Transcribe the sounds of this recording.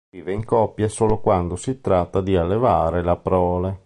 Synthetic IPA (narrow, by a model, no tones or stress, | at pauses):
iːveiŋkɔpːjasoːlokwand̪osit̪ɾat̪ːad̪ialːevaːɾelapɾɔːle